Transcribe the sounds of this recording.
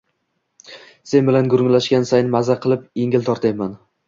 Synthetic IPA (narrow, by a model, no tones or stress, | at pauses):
se̞nbɪlanɡʊɾʊŋlaʃkʲansajnɪmazaqʰɨlˠɪpeŋɪlt̪ʰɒɾt̪ʰajman